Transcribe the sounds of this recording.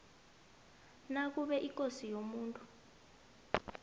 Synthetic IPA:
nak̬uɓɛʔikʼosijomuːntʼu

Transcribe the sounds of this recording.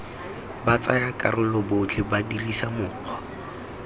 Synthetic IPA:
bat͡sajakʼarʊlɔbʊʊt͡ɬʰɪbadirisamʊːq͡χʰɔ̥

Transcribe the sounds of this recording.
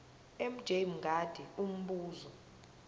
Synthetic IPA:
em̩d̥ʒ̥ʱemɡʱad̥ʱɛum̩ɓuːzɔ

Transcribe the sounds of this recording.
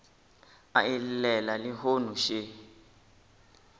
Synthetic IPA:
a̰illɛlaliɦonuʃe

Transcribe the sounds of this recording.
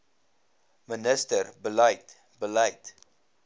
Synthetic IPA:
mənəstərbəlɐjt | bəlɐjt

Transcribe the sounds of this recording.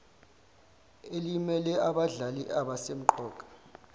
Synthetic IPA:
elimɛlɛʔaɓaɮaliʔaɓasem̩ǃɔːkʼḁ

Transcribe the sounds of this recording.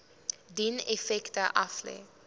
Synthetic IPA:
dinefɛktəʔɐflɛ̰ː

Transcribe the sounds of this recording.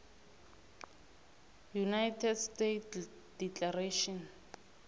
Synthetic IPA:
junajtʰɛdstet | d̥iklareʃɔn

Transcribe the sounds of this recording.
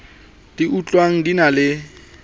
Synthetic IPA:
d̥iut͡ɬʼwaŋ̩dinalɪ

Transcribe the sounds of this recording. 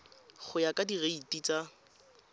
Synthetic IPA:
χʰʊjakʼadireitʼit͡sa

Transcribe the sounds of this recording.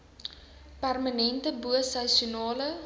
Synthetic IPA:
pærmənɛntəbuəsɐsunɑːlə

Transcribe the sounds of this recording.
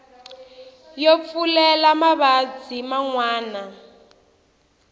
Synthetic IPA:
jɔp̪fulɛlamaβad͡zimaŋwaːna

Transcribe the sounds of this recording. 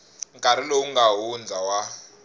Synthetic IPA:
ŋkʼaɾilouŋɡaɦund͡zʱawa

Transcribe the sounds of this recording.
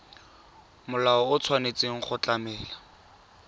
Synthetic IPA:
mʊlaɔʊt͡sʰwanet͡sʼeŋ̩χʊt͡ɬamɛːla

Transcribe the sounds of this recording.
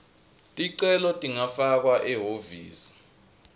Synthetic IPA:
tʼiǀɛlɔtʼiŋafak̬waʔɛɦovḭːsi̥

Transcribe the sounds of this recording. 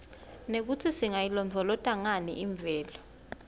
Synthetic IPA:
nek̬utʰisiŋajilɔmvʱɔlɔtʼaŋanḭʔiɱb̪vʱɛːlɔ

